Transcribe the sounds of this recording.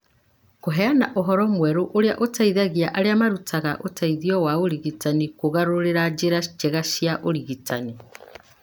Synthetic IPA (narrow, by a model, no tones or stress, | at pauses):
koɦɛanaʔoɦɔɾɔmwɛɾoʔoɾea̰ʔotaiðaɣiaʔaɾeamaɾutʰaɣaʔotʰaiðiɔwaoɾiɣitanikoɣaɾoɾeɾad͡ʒeɾad͡ʒeɣaʃjaʔoɾiɣitani